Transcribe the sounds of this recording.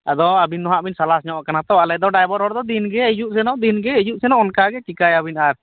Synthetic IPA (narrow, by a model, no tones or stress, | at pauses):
a̰d̪ɔabinːɔɦaʔbinsalasɲɔʔkanat̪ɔalɛd̪ɔɖajbɔɾɦɔɾd̪ɔd̪inɡɛəd͡ʒuʔsɛnɔʔd̪inɡɛəd͡ʒuʔsɛnɔʔɔnkaɡɛt͡ʃkikajabinaɾ